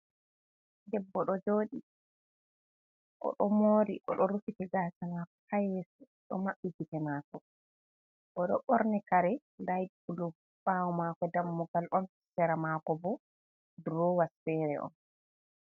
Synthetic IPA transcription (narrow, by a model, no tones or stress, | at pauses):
dɛbːɔɗɔd͡ʒoːɗi | ʔɔ̰ɗɔmoɾiʔɔɗɔɾufitɛɡasanakɔ̥hajesu | ɗɔ̰maɓːititɛnaːkɔ | ʔɔɗɔɓɔɾnɛkaɾɛ | lajt̚bulu | ɓawɔmaːkɔdamːuɡalʔɔn | sɛɾamakɔbɔ | dɾɔwasfɛɾɛʔɔ̰n